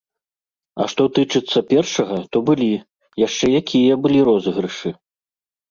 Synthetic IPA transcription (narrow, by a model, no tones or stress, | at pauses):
ɐ̰ʂt̪ɔt̪ɨt͡ʂɨt̪sːɐpʲɛrʂɐɣɐt̪ɔbɨlʲi | jaʂt͡ʂɛjakʲijɐbɨlʲiɾɔzɣɾɨʂɨ